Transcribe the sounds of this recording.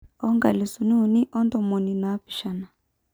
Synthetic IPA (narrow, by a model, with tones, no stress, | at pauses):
ɔ˦ŋɡa̰˨li˨su˨ni˦u˨ni˦ʔɔ˦ndɔ˨mɔ˨ni˨naː˨˦pi̥˨ʃa˨na˨